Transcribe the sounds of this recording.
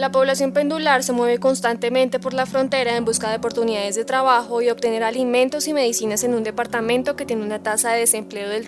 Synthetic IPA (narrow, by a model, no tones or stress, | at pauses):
lapo̞βlasjo̞mpe̞nd̪ulaɾse̞mwe̞β̞e̞ko̞nst̪ant̪e̞mẽ̞nt̪e̞po̞ɾlafɾo̞nt̪e̞ɾaembuskaðeopo̞ɾt̪uniðaðe̞zd̪e̞t̪ɾaβ̞axo̞io̞βt̪ene̞ɾalimẽ̞nt̪o̞sime̞ðisinase̞nũnd̪e̞paɾt̪amẽ̞nt̪o̞ke̞t̪je̞neunat̪asaðe̞ðese̞mple̞oðel